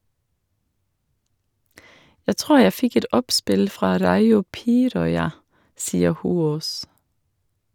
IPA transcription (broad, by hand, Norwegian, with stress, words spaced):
ˈjæɪ ˈtʁuːɾ ˈjæ ˈfɪk ˈɛt ˈɔpˌspɪl ˈfɾɑː ˈɾɑɪʊ ˈpiːɾɔʏɑ ˈsiːə ˈhuːoːs